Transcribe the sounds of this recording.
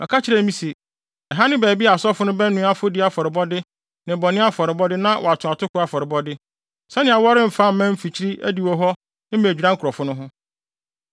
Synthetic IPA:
mʔã̰˨kʰa˦t͡ɕʰɪ˦ɾɛ˨mĩ˦se˨ | ɛ˨ɦa˦nɪ̃˦bæː˨bi˦a˨sɔ˦fʊ˦nʊ̃˦bɛ˦nʊ̃˦a˦fʊ˦dɪ˦a˨fɔ˨ɾɪ˨bɔ˦dɪ˦ | nɪ̃˨bɔ˨nɪ̃˦a˦fɔ˨ɾɪ˨bɔ˦dɪ˦nã˦wʔɔ˨a˨tʰʊ̃˨a˨tʰʊ˦kʰʊ˦a˦fɔ˨ɾɪ˨bɔ˦dɪ˦ | sɛ˦nɪ̃˨a˨wɔ˦ɾɪ̃˦m̩˨fã˦˨m̩˨mɛ̃˦m̩˦fi˨t͡ɕʰi˦ɾi˦ʔæ̰˦di˨wɔ˦ɦɔ˦ | nɪ̃˦mæ˨d͡ʑᶣi˨ɾã˦ŋ̩kʰʊ˨ɾɔ˨fʊ˦nʊ̃˦ɦʊ̃˦

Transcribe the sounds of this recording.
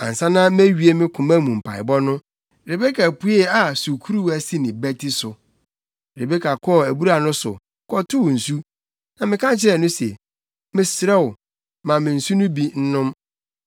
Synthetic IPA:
ã̰˨n˨sã˦nã˦m˦æ˦ɥi˨e˦mɪ̃˦kʰʊ̃˨mã˦˨mũ˨m̩˨pʰa̰˨ɪ̰˨bɔ˦nʊ̃˦ | ɾe˨be˦kʰa˨pʰu˦ɛ˦a˨su˨kʰu˦ɾu˦wæ˦si˦nɪ̃˨bæ˦tʰi˦sʊ˨ | ɾe˨be˦kʰa˨kʰɔ˦˨æ˨bu˦ɾa˨nʊ̃˦sʊ̰˨˦ | kʰɔ˦tʰʊ˦wn̩˨su˦ | nã˨mɪ̃˨kʰã˦n˨t͡ɕʰɪ˦ɾɛ˨nʊ̃˦sɛ˨ | mɪ̃˨sɾɛ˦wʊ˨ | mã˨mɪ̃˨n̩˨su˦nʊ̃˦bi˦n̩˦nʊ̃˦m

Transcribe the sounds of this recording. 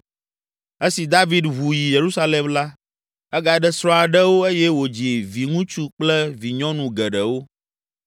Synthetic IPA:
e˦si˨d̪a˦vi˦d̪βu˨ji˨je˨ɾu˦sa˦le˨mla˦ | ɛ˦ɡa˨ɖɛ˦sɾɔ̃˦a˨ɖɛ˦wo˦e˦jɛ˦wo˨d͡ʒi˨vi˨ŋũ˦t͡ʃu˦k͡plɛ˦vi˨ɲɔ̃˦nũ˨ɡɛ˨ɖɛ˨wo˦

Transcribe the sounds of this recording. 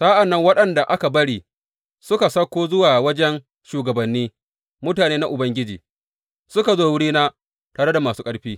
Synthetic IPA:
sa˦ʔa˨nːɐ˦ŋwɐ˦ɗɐ˨nda˨ʔa˦ka˨bɐ˦ɽiː˦ | sʊ˦ka˨sɐ˦kʷːoː˦zʊ˦waː˨wɐ˦d͡ʒɛ˦n | ʃuː˨ɡɐ˨bɐ˨nːiː˦ | mʊ˦taː˨neː˦na˦ʔʊ˨bɐ˦ŋɡʲɪ˦d͡ʒḭː˨ | sʊ˦ka˨zoː˦wʊ˦ɽiː˦na˦ | taː˨ɽe˦da˨maː˨suː˦kʼɐ˦ɽɸiː˦

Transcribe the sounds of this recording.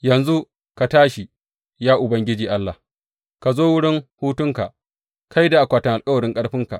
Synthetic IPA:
jɐ˨nzu˦ | ka˨taː˦ʃi˨ | jaː˦ʔʊ˨bɐ˦ŋɡʲɪ˦d͡ʒiː˨ʔa˦lːa˨ | ka˨zoː˦wʊ˦ɽɪ˦ŋhuː˦tʊ˦ŋka̰˨ʔ | kʰa˦jda˨ʔa˨kʷaː˨tɪ˦ŋʔa˨lkʼɐ˦wɐ˨ɾɪ˦ŋkʼɐ˦ɽɸɪ˦ŋka̰˨ʔ

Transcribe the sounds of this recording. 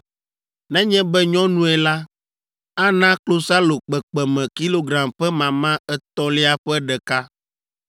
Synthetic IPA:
nɛ̃˦ɲɛ̃˦bɛ˦ɲɔ̃˦nũ˦ɛ˨la˦ | a˦nã˦klo˦sa˦lo˨k͡pɛ˨k͡pɛ˨mɛ̃˨ki˦lo˦ɡɾã˨mɸɛ˦mã˨mã˦ɛ˦t̪ɔ˦le˦a˦ɸɛ˦ɖɛ˨ka˦

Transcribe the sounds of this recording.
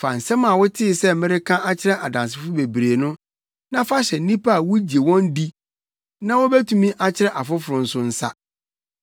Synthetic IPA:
fa˨n̩˨sɛ˦mã˨wʊ˦tʰɪ˦ɪ˨sɛ˦mɪ̃˦ɾɪ˦kʰã˦a˦t͡ɕʰɪ˦ɾɛ˦ʔa˨dã˨ns̬ɪ˨fʊ˦be˨bɾeː˨nʊ̃˦ | nã˦fa˦ɕɛ˨˦nĩ˦pʰa˦a˨wʊ˦d͡ʑi˨e˨wɔ̃˦n˦di˦ | nã˦wɔ˦be˦tʰũ˦mĩ˦ʔa˨t͡ɕʰɪ˦ɾɛ˦ʔa˨fʊ˦fʊ˨ɾʊ̃˨n̩˦sʊ˦n̩˦sa̰˦

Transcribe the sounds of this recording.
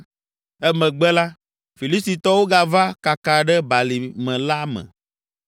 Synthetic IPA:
ɛ˦mɛ̃˨ɡ͡bɛ˦la˦ | fi˨li˦st̪i˨t̪ɔ˦wo˦ɡa˦va˦ka˨ka˨ɖɛ˦ba˨li˨mɛ̃˨la˦mɛ̰̃˨

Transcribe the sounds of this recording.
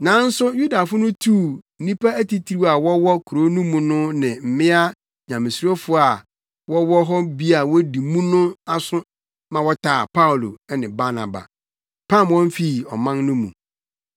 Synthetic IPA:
nã˨˦n̩˦sʊ˦ju˦da˨fʊ˦nʊ̃˦tʰu˦˨n̩˨nĩ˦pʰa˦æ˦ti˨tʰɾi˦˨a˨wɔ˦wɔ˦kʰu˨ɾo˦nũ˦mũ˨nʊ̃˦nɪ̃˨m̩˨mɪ̃˦a˦ | ɲã˨mɪ̃˨su˨ɾo˦fʊ˦a˨ | wɔ˦wɔ˦ɦɔ˦bi˦a˨wɔ˦di˨mũ˦nʊ̃˦a˦sʊ̃˦ | mã˨wɔ˦tʰaː˨pʰa˦ʊ˨lo̰˨ɛ˦nɪ̃˨ba˦na̰˨ba̰˨ | pʰã˦˨mwɔ̃˦m˦fi˦˨ɔ˨mã˦nnʊ̃˦mṵ̃˨

